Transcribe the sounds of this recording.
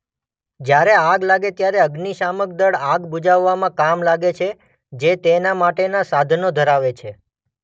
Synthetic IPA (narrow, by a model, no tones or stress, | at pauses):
d͡ʒjaɾeaɡlaɡet̪jaɾeəɡniʃamək̚d̪əɽaɡbud͡ʒaʋːamãkamlaɡet͡ʃʰe | d͡ʒet̪enamaʈenasad̪ʱnod̪ʱəɾaʋet͡ʃʰe